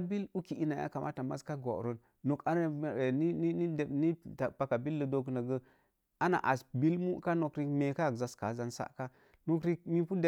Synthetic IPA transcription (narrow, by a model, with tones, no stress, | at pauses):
bi˦lu˦ki˨i˦na˨ja̰˦ka˨mʔa̰˦ta˨ma̰˦ska˦ɡo̰˨ɾo˨n | no˨ka˦n˦˨e˨ni˦ni˦ni˦de˨ni˦ta˨pa˨ka˨bi˦lːə˨do˦kna˨ɡə˦ | a˦na̰˨ʔa˨sbi˦lmu˦ka˦no˨kɾi˦kme˨ka˦˨kza˨ska̰˨˦za˨nsa̰˦ʔka˦ | no˦kɾi˦k̚mi˦pu˦de˨